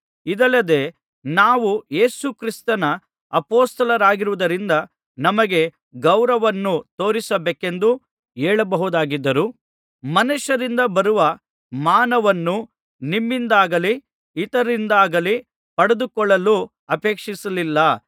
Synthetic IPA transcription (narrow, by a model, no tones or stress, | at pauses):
id̪ɐlːɐd̪e̞ː | naːʋuje̞ːsukɾist̪ɐnɐ | ɐpoːst̪ɐlɐɾaːɡiɾuʋud̪ɐɾind̪ɐ | nɐmɐɡe̞ | ɡɐwɾɐʋɐnːut̪o̞ːɾisɐbeːke̞nd̪u | eːɭɐbɐɦud̪aːɡid̪ːɐɾu | mɐnuʃɐɾind̪ɐbɐɾuʋɐ | maːnɐʋɐnːu | nimːind̪aːɡɐliː | t̪ɐɾind̪aːɡɐli | pɐɽed̪ukɔɭːɐlu | ɐpe̞ːkʂisɐlilːɐ